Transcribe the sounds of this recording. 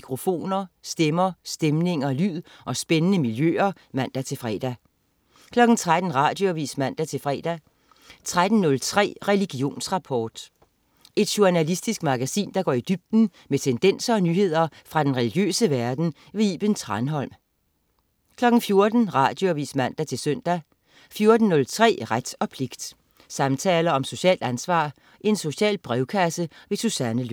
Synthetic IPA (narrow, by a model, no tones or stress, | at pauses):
kʰʁo̝fo̝̰ːnɐsd̥emɐsd̥emne̝ŋɐlyð̰ˠʔɒ̽sb̥enənəmiljø̰ːɐ | mæn̰d̥æt͡sʰe̝lfʁɛ̰ːd̥æ | kʰlɒ̽ɡ̥n̩t͡sʰʁad̥n̩ʁɑ̈ːd̥joæʋḭːsmæn̰d̥æt͡sʰe̝lfʁɛ̰ːd̥æ | t͡sʰʁad̥n̩nːɔ̽lt͡sʰʁɛ̰ːʁɛliɡ̥io̝̰ːnsʁɑ̈pʰɒːd̥ | e̝d̥ɕuænælisd̥isɡ̥mɑ̈ɡ̥æsḭːnd̥ɑ̈ɡ̥ɒ̰ːid̥yb̥̚d̥n̩ | met͡sʰend̥en̰sɐɒ̽nyːhe̝ð̰ˠɐfʁɑ̈d̥enʁɛliɡ̥jø̰ːsəʋæɐd̥n̩ | ʋeiːb̥ənt͡sʰʁɑnɦɒ̽l̰m | kʰlɒ̽ɡ̥n̩fjo̝ɐd̥n̩ʁɑ̰̈ːd̥jo̝æʋḭːsmæn̰d̥æt͡sʰe̝lsøn̰d̥æ | fjo̝ɐd̥n̩nːɔ̽lt͡sʰʁɛ̰ːʁad̥ɒ̽pʰle̝ɡ̥d̥ | sɑ̈mt͡sʰɛːlɐɒ̽mso̝ɕɛ̰ːld̥ænsʋɑ̰̈ː | ʔe̝nso̝ɕɛ̰ːlb̥ʁɛʊkʰæsəʋe̝susænəl